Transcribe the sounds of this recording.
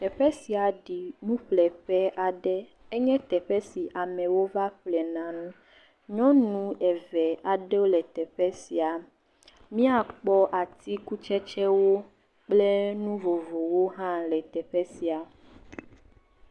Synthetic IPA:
t̪ɛ˨ɸɛ˦si˨a˨ɖi˨nũ˦ɸlɛ˨ɸɛ˦ʔa˨ɖɛ˦ | e˦ɲɛ̃˦t̪ɛ˨ɸɛ˦si˨ʔa˨mɛ̃˨wo˦va˦ɸlɛ˨nã˨nũ˦ | ɲɔ̃˦nũ˦ɛ˨vɛ˨a˨ɖɛ˦wo˦lɛ˨t̪ɛ˨ɸɛ˦si˨a˨ | mĩ˦a˨k͡pɔ˦ʔa˨t̪i˦ku˦t͡ʃɛ˦t͡ʃɛ˦wo˦ | k͡ple˦nũ˦vo˨vo˨wo˦ɦã˦lɛ˨t̪ɛ˨ɸɛ˦si˨a˨

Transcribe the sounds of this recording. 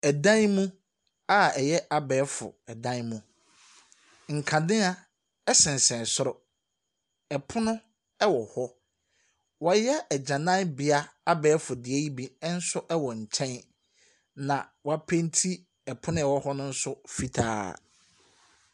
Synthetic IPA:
ɛ˨dã˦nmũ˦ | a˦ɛ˨jɛ˦ʔa˨bɛː˨˦fʊ̰˨ɛ˨dã˦nmũ˦ | ŋ̩˨kʰã˨dɪ̃˦a˦ | ɛ˦sɪ̃˨n̩˨sɛ̃˨n˨sʊ˦ɾɔ˨ | ɛ˨pʰʊ˦nʊ̃˦ | ɛ˦wɔ˨hɔ˦ | wɔ˦jɛ˦ɛ˨d͡ʑã˨nã˦bɪ˨a˦a˦bɛː˨˦fʊ˨dɪ˨ɛ˦ji˦bi˦n̩˦sʊ˦ʔɛ˦wɔ˨ɲ̩˨t͡ɕʰɛ̃˦n | nã˨wɔ˨˦a˦pʰẽ˦n˦tʰi˦ | ɛ˨pʰʊ̃˦nʊ̃˦ɛ˨wɔ˦hɔ˦nʊ̃˦n̩˦sʊ˦fi˦tʰa̰ː˦˨˦

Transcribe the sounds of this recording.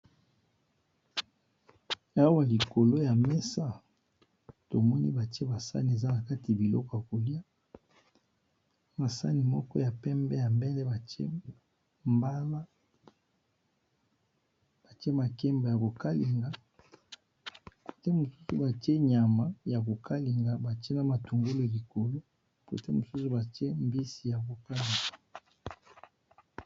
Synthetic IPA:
a˦o˦wa˨li˨ko˨lo˦ja˨mɛ˦sa˦ | to˨mɔ˦nḭ˦ba˨te˦ba˨sa̰˦ni˨e˨za˦na˨ka˦ti˨ja˨bi˨lɔ̰˦kɔ˨ja˨ko˨li˦a˦ | ma˨sa̰˦ni˨mɔ˦kɔ˦ja˨pɛ˦mbɛ˦ja˨mbɛ˦lɛ˦ba˨tḛ˦ | mba˦la˦ | b̥a˨te˦ma˨ke˦mba˨ja˨ko˨ka˦li˨ŋɡa˨ | ko̥˨te˦mo˨su̥˦su˨ba˨te˦ɲa˨ma˨ja˨ko˨ka˦li˨ŋɡa˨ba˨te˦na˨ma˨to˨ŋɡo˦lo˨li˨ko˨lo˦ | ko̰˨te˦mo˨su˦su˨ba˨te˦m˦bi˦si˨ja˨ko˨ka˦li˨ŋɡa˨

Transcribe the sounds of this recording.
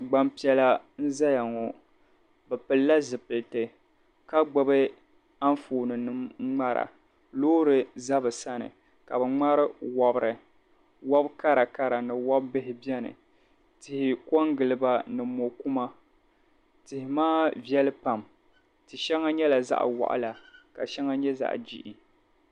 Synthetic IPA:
ɡ͡ba˦mpi˨˦ɛ˦la˦n̩˦za˦ja˨ŋɔ˨ | bɛ˨pɨ˨lːa˦zɨ˨pɨ˨ltɨ˨ | ka˦ɡ͡bʊ˦bɨ˦ | a˦ɱfoː˨nɨ˨nɨ˦mŋ͡ma˦ɾa̰˨ | loː˦ɾɨ˨za˦bɨ˨sa˦nɨ̰˨ | ka˨bɨ˨ŋ͡ma˦ɾɨ˦wa˦bɾɨ˨ | wɔ˦bka˦ɾa˨ka˦ɾa˨nɨ˨wɔ˦bːɨ˦ɦɪ˨bɛ˦nɨ̰˨ | tɪ˨hɪ˨kɔ˦ŋɡɨ˨lɨ˨ba˨nɨ˨mo˨ku˦ma˦ | tɪ˨hɪ˨maː˦vɛ˦lɨ˦pa˨m | tɨ˨ʃɛ˦ŋa˦ɲɛ˦la˨za̰˦ʔwa̰˨ʔa̰˦la˨ka˨ʃɛ˦ŋa˦ɲɛ˦za̰˨ʔd͡ʒḭ˦ʔi˨

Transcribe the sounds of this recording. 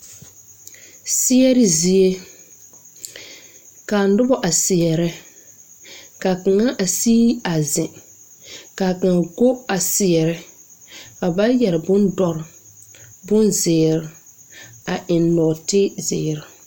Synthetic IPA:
sɪ˦ɛ˦ɾɪ˦zi˨e˦ | ka˨n˦dʊ˦bɔ˦ʔa˨sɪ˨ɛ˨ɾɪ˦ | ka˨ka˨ŋa˦ʔa˨siː˦a˨zɪ˨ | ka˨ka˨ŋ˨ɡo˦a˨sɪ˨ɛ˨ɾɪ˦ | a˨ba˦jɛ˨ɾɪ˨bʊ˦ndɔ˨ɾɪ˨ | bʊ˦nzɪ˨ɾɪ˨ | a˨ʔɪ˨nlɔː˨tɪ˦zɪː˨ɾɪ˨

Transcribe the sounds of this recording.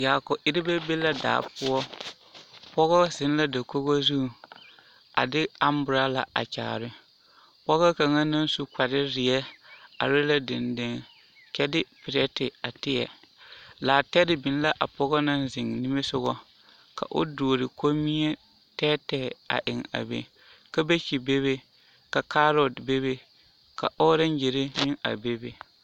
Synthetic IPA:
jaː˨kɔ˨ʔɪ˦ɾɪ˦be˦be˦la˦da̰ː˨pʊ˦ɔ˦ | pɔ˦ɣɔ˦z̥ɪ˨n˦la˦da˨ko˦ɣo˦zu˦˨ | a̰˨dɪ˦a˦mbʊ˨ɾa˦la̰˨ʔa̰˨t͡ʃa̰ː˨ɾɪ˦ | pɔ˦ɣɔ˦ka˨ŋa˦na˦n˦su˦ka˨dɪ˦ɾɪ˨ɛ˦a̰˨ɾɪ˦la˦dɪ˨ndɪ˦ŋ | kɛ˦dɪ˦pɪ˨ɾɛ˦tɪ˨a˨tɪ˦jɛ̰˨ | laː˨tɛ˦dɪ˦bɪ˨n˦la˦ʔa˨pɔ˦ɣɔ˦na˦n˦zɪ˨ŋnɪ˦me˦sʊ˦ɣɔ˦ | ka̰˨ʔo̰˦doː˨ɾɪ˨ko˦mi˦ɲɛ˦ | tɛː˦tɛː˨a̰˨ʔɪ˨ŋa̰˨bḛ˨ | ka˦be˦t͡ʃi˨be˦be˦ | ka˨ka˦ɾɔ˨dbe˦be˦ | ka̰˨ʔɔ˦ɾa˦n˦je˨ɾɪ˦nɪ˦ŋa̰˨be˦be˨

